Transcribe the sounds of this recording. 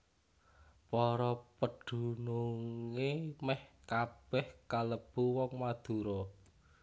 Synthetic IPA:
pɔɾɔpəɖ̪̥ṳnuŋemɛhkab̥ɛhkaləb̥uwɔŋmad̪̥ṳɾɔ

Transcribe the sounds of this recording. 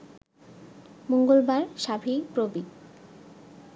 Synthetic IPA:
moŋɡolbaɾʃabʱipɾobi

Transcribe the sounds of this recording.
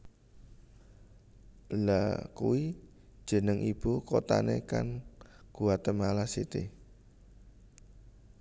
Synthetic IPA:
lakṵwi | d̥ʒ̥ə̤nəŋʔib̥okot̪a̰neka̰nɡ̥uat̪əmalasit̪i

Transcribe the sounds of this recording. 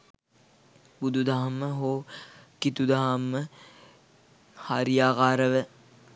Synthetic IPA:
bud̪ʱud̪aɦamːəɦoːkit̪ud̪aɦamːə | haːɾijaːkaːɾəʋə

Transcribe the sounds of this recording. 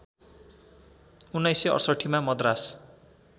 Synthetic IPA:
unːʌjseʌ̰rsʌʈʰimamʌd̪ras

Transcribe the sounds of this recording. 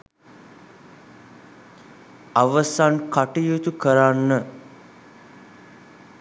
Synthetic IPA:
aʋəsankaʈijut̪ukəɾanːə

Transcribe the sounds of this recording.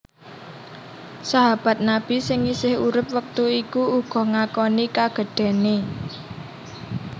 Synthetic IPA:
saɦab̥a̤t̪̚nab̥i̤sɪŋisɪhuɾɪp̚wək̚t̪uikuuɡ̥ɔ̤ŋakɔnikaɡ̥ə̤ɖ̥ɛ̤ne

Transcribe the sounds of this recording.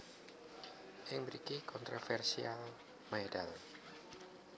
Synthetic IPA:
ʔɪŋməɾikikɔnt̪ɾofɛrsial | madal

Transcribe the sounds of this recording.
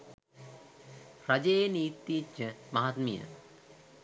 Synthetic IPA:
ɾɐd͡ʒejniːt̪ːit͡ʃːəmaɦat̪mijə̰

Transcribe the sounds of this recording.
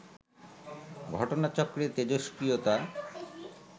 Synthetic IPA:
ɡʱɔʈonat͡ɕɔkːɾet̪ed͡ʑoʃkɾiot̪a

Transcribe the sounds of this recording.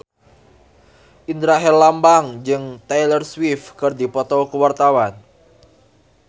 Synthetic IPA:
ʔind̪ɾaɦɛlːambaŋd͡ʒɨŋt̪ajlərswifkɨrd̪ipɔt̪ɔkəwart̪awan

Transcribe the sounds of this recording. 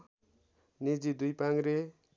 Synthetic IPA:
nid͡zid̪ujpaŋɾe

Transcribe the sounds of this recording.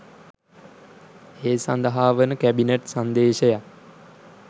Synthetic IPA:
eːsand̪əɦaːʋənəkæbineʈsand̪eːʃəja

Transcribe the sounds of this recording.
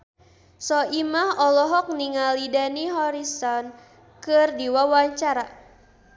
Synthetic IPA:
sɔimahɔlɔɦɔk̚niŋalidaniɦɔɾisɔn | kɨrdiwawaɲt͡ʃaɾa

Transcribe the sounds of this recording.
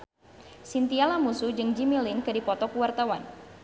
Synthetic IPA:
sint̪ialamusud͡ʒɨŋd͡ʒimilɪnkɨdipɔt̪ɔkuwart̪awan

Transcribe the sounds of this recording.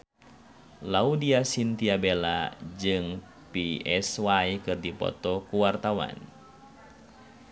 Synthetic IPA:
laudiasint̪iabelad͡ʒɨŋ | piɛswajkɨrdipɔ̰t̪ɔkuwart̪awa̰n

